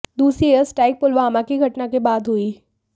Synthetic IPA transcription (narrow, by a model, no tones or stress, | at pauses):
d̪uːsɾiəsʈaːɪk̚pʊlʋaːmakiɡʱɐʈnakebaːd̪ʱɦuiː